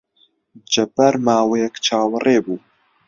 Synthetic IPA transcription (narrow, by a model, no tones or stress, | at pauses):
d͡ʒɐpɐɾmaːwejɛkt͡ʃʰaːwɨrʔeːbuː